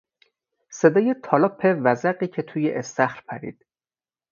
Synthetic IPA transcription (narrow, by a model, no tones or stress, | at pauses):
se̞d̪ɒːjet̪ʰɒːlɒpʰːevæzæɢiːcʰe̞t̪ʰuːjeʔest̪æxɾpʰæɾḭːd̪̥